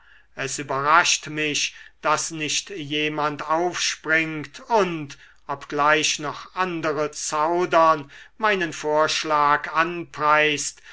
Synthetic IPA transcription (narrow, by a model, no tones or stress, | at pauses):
ʔɛsyːbɐʁaʃtmɪɕd̥asnɪʃtjeːmantaʊfʃpʁɪŋktʰʊnt | ʔɔpɡ̥laɪʃnɔχʔandəʁət͡saʊdɐnmaɪnənfoːɐʃlaːkanpʁ̥aɪst